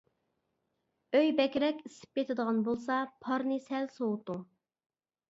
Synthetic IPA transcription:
øjbɛkʲɾɛkʲisɪ̥p̚kʲet̪ʰɪd̪əʁɑnbolˠsɑpʰɑɾnɨsɛlsowt̪u

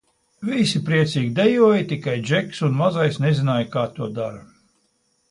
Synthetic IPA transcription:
visipɾiɛt̪siːɡʲid̪ejuɔjit̪ikajd͡ʒɛksunmazajsnɛzinaːjkaːt̪uɔd̪aɾa

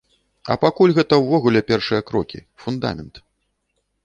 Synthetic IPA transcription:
ɐ̰pakulʲɣɛt̪ɐwvɔɣulʲɛpʲɛrʂɨjɐkɾɔkʲḭ | fund̪a̰mʲɛnt̪

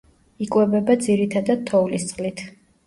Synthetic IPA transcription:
ikʼwɛbɛbad̪ziɾit̪ʰad̪ad̪̥̚t̪ʰːɔulist̪sʼqʼlit̪ʰ

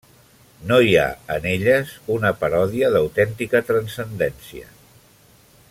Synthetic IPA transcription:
noja̰ə̰neʎəzunəpəɾɔðiəðəwt̪ɛnt̪ikət̪ɾənsənd̪ɛnsiə̰

